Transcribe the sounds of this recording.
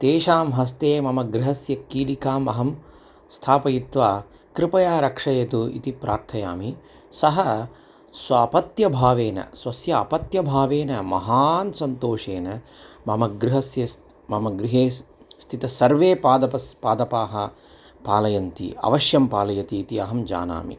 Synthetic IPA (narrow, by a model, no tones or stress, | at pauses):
t̪eːʃaːmɦɐs̬t̪eːmɐmɐɡɾɪɦɐsjɐkːiːlikaːmːɐɦɐm | st̪ʰaːpɐjit̪ʋaː | kɾɪpɐjaːɾɐkʂɐjɐt̪uḭt̪ipɾa̰ːɾt̪ʰɐja̰ːmi | sɐɦɐ | sʋɐːpɐt̪jɐbʱaːʋeːnɐ̰sʋɐsjɐːpɐt̪jɐbʱaːʋeːnɐmɐ̰ɦaːnsɐnt̪oːʂeːnɐ | mɐmɐɡɾɪɦɐsjɐ | mɐmɐɡɾiɦeː | st̪ʰit̪ɐsɐɾʋeːpaːd̪ɐpɐpaːd̪ɐpaːɦɐ | paːlɐjɐnt̪ḭɐ̰ʋɐʃjɐmpaːlɐjɐt̪iːt̪iɐɦɐmd͡ʒa̰ːna̰ːmḭ